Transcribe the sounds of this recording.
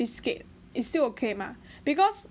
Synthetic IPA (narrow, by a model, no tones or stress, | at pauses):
isket̚ | istilokʰemã | b̥ikɔs